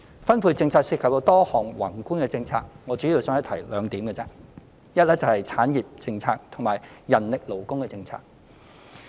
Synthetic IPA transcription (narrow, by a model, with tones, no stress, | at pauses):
fɐ˥npʰuː˧jt͡sɪ˧ŋt͡sʰaː˧k̚siː˧tkʰp̚t̪o˧wt̪ɔː˥hɔː˨˩ŋwɐ˨˩ŋkuː˥nkɛ˧t͡sɪ˧ŋt͡sʰaː˧k̚ŋɔː˨˧t͡ʃyː˨˥ji˧wsœː˨˥ŋɐ˥t̪ʰɐ˨˩jlœː˨˧ŋt̪iː˨˥mkɛ˧t͡sɛ˧˥ | jɐ˥t̚lɛː˥t͡sɐ˨whɐ˨jt͡sʰaː˨˥njiː˨p̚t͡sɪ˧ŋt͡sʰaː˧k̚t̪ʰʊ˨˩ŋmaː˨˩jjɐ˨˩nlɪ˨k̚lo˨˩wkʊ˥ŋkɛː˧t͡sɪ˧ŋt͡sʰa̰ː˧k̚